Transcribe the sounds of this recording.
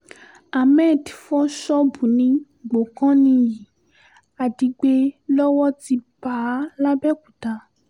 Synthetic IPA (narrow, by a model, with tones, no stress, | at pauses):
a˨mɛ˦˨dfɔ˦ʃɔ˦bu˨nĩ˧˦ | ɡ͡bo˨kã˦nĩ˧ji˨ | a˨di˨˧ɡ͡be˦lɔ˦wɔ˦ti˧ba˨˦la˦bɛ˦ku˨ta˧˦